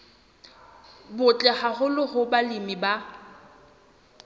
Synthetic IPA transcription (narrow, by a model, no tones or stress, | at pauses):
bʊt͡ɬʼɛhahʊlɪhʊbalimiba